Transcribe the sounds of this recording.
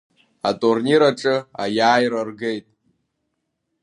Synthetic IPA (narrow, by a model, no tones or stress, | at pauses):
atʼurniɾaʈ͡ʂʼɨajaːjrarɡejtʼ